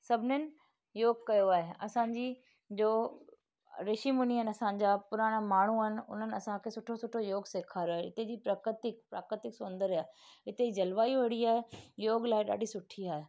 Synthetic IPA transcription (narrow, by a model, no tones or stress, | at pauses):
sɐbʱɪnɪnɪ̆ | joːɡkːɐjoaːɦeɐ̰sãɲd͡ʑiː | d͡ʑoː | ɾɪʃimʊniɦənɪɐsãɲ̆d͡ʑapʊɾaːɽ̃maːɳ̤uənɪ̆ʊ̰n̤ənɪ̆ɐsãkʰeːsʊʈʰosʊʈʰojoːɡseːkʰaːɾoɦɪ̰t̪ed͡ʑiːpɾaːkɾɪt̪ɪk̚pɾaːkɾɪt̪ɪksʊ̃nd̪əɾiaːɪt̪eid͡ʑɐlʋaːiʋɐɽiaːɦejoːɡlaːeɗa̰ːɗisʊʈʰiaːɦe